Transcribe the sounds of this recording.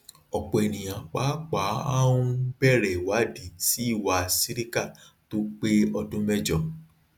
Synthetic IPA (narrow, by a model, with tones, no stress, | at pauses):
ɔ˨k͡pɔ˨e˨nĩ˨j̃ã˨k͡pa˨˦k͡pa˨˦a˦wũ˦bɛ˦˨ɾɛ˨wa˨˦di˨ti˨˦i˦˨wa˧si˦ɾi˦ka˦˨ | to˦k͡pe˦ɔ˧dũ˦mɛ˦d͡ʒɔ˨